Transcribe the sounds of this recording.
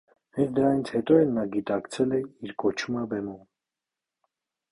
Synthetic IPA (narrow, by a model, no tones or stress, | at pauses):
hɛt͡sd̪əɾɑnit͡sʰhɛt̪ɔɛlnːɑɡit̪ɑkt͡sʰɛlɛiɾkɔt͡ʃʰuməbɛmum